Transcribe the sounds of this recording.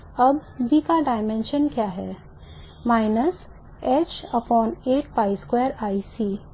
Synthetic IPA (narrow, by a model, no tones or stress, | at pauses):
ɐbbʱikaɖaːɪmẽnʃənkjaːɦɛː | maːɪnəs | eːt͡ʃɐpɔːneːʈpaːɪskweːɾaːisiː